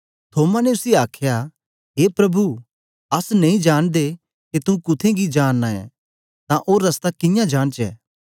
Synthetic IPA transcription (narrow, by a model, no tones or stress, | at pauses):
t̪ʰoːmaneʊsiaːkʰja | ɦeːpɾɐbʱu | ɐsnɐĩd͡ʒaːɽ̃d̪e | ket̪ũkʊt̪ʰẽɡid͡ʒaːnːaɛ̰̃ | t̪ãʔoːɾːɐst̪akɪ̃jãd͡ʒaːɽt͡ʃɛ̰ː